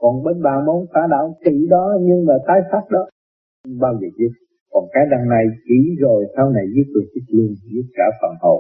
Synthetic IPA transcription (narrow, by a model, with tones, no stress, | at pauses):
kɔ˨˩nɓe˧nɓaː˨˩nmo˨˦nfaː˧˦ɗa̰ː˧˨wŋ͡mki˧˨ɗɔ˨˦ɲɨ˧ŋmaː˨˩t̪aː˨˦jsa˦˥t̚ɗɔ˨˦˧ | ɓaː˧wzəː˨˩t͡ɕi˨˦ | kɔ˨˩nkaː˨˦jɗa˧ŋna˧jt͡ɕi˧˩zo˨˩jsaː˧wna˨˩jzɨ˦˥əp̚t̪i˨˩t͡ɕɨ˦˥k̚lɨ˧əŋzɨ˦˥ət̚kaː˧˩fa̰ː˨˩nho̰˨˩